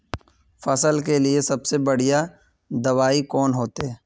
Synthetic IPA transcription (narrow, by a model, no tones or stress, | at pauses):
fɐsəlkeliesɐbsebɐɽija | d̪ɐʋaːikɔːnɦoːt̪eɛː